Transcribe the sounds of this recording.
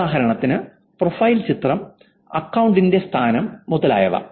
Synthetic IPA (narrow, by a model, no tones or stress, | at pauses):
aːɦɐɾɐɳɐt̪ːinɨ | profɐjlt͡ɕit̪rɐm | ɐkːɐwɳɖindest̪ʰaːnɐmːuðɐla̰ːjɐʋɐ̰